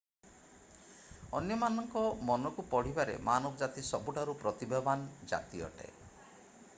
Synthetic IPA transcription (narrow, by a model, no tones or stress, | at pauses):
ɔnjɔmanɔŋkɔmɔnɔkupɔɽ̤ibaɾḛmanɔbɔd͡ʒat̪isɔbuʈaɾupɾɔt̪ibebanɔd͡ʒa̰t̪iɔ̰ʈḛ